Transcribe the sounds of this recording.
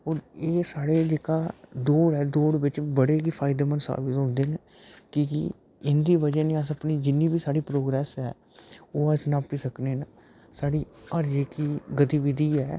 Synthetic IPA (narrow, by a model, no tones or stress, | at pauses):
oːɾeːsaːɽeːd͡ʒeːkaːd̪oːɽɛːd̪oːɽʋɪt͡ʃbəɽeːkipʰaːɪd̪eːmənsə̰ɾʋɪsɦʊ̃ːnd̪eːn | kiːkɪ̰ | ɪnd̪iːʋəd͡ʒəneəsəpniːd͡ʒɪnːiːbiːsaːɽiːpɾoːɡɾɛːsɛ̰ː | oːəsnãːpiːsəkneːn | saːɽiːəɾd͡ʒeːkiːɡət̪iːʋɪd̪iːɛː